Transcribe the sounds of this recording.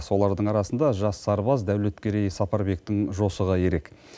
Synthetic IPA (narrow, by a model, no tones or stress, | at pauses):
so̞lˠɑɾd̪əɴɑɾɑsənd̪ɑʒɑsːɑɾbɑzd̪æwle̞t̪kʲe̞ɾe̞jsɑpɑɾbe̞kt̪ɪŋʒo̞səʁəje̞ɾe̞k